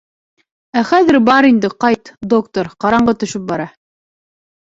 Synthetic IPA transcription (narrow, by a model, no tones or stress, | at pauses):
æχæðɘɾbɑɾind̪ɘqɑjt̪d̪okt̪oɾqɑɾɑɴɢɤt̪ɵ̆ʃɵp̚bɑɾɑ